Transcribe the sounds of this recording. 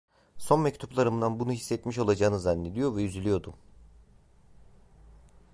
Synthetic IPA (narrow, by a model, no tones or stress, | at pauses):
so̞nmɛct̪ʰuplˠaɾɯmd̪anbunuɦisːɛt̪miʃo̞lˠad͡ʒaːɯnɯzanːe̞d̪ijo̞ɾvɛjyzylʲijo̞d̪u